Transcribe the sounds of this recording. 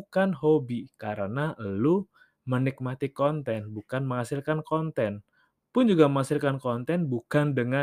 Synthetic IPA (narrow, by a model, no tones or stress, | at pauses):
ukanɦobikaɾənaʔəlu | mənɪk̚mat̪ikɔnt̪ɛnbukanməŋasilkankɔnt̪ɛn | pʊnd͡ʒuɡaməŋasilkankɔnt̪ɛnbukandəŋa